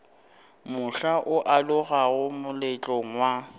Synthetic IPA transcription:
mʊɬaʔʊʔalʊɣaɣʊmʊlɪt͡ɬʼɔŋ̩wa

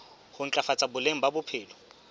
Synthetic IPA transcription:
hʊŋ̩t͡ɬʼafat͡sʼabʊleŋ̩babʊpʰɪːlɔ

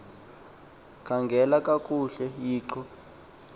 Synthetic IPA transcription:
kʰaŋɡʱɛlakʼakʼuɬɛjiːǃɔ

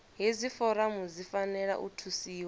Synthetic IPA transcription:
ɦizifɔɾamuzifanɛɺa̰ʔṵtʰusiːwa

